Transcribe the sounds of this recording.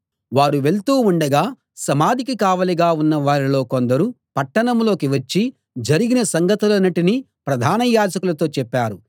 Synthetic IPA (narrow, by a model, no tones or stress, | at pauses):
ʋaːɾuʋe̞ɭt̪uːuɳɖɐɡaː | sɐmaːd̪ʱikikaːʋɐliɡaːunːɐʋaːɾilo̞ːkond̪ɐɾu | pɐʈːɐɳɐmlo̞ːkiʋɐt͡ʃːi | d͡ʒɐɾiɡinɐsɐŋɡɐt̪ulɐnɐʈini | pɾɐd̪ʱaːnɐjaːd͡ʒɐkulɐt̪o̞ːt͡ʃɛpːaːɾu